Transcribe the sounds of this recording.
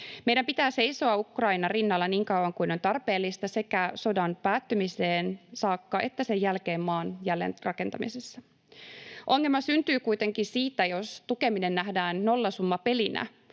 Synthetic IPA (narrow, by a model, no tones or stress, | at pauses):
mejɾæmpit̪æːse̞jso̞ɑukrɑinɑrinːɑlːɑniːŋkɑwɑŋkuino̞nt̪ɑrpe̞ːlːist̪ɑse̞kæso̞dɑnpæːt̪ːymiseːnsɑːkːɑʔe̞t̪ːæsejːælke̞ːmmɑːnjælːḛnrɑke̞nt̪ɑmḭsesːɑ | ʔo̞ŋːe̞lmɑsynt̪yːkujt̪eŋkisiːt̪ːæjost̪uke̞mine̞nːæhdæːnːo̞lːɑsumːɑpe̞linæ̰